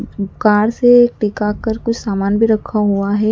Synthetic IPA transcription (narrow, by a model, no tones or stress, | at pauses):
kaːɽseːk̚ʈɪkaːkəɾkʊt͡ʃʰsaːmaːnbʱiɾɐkʰaɦuaɦɛː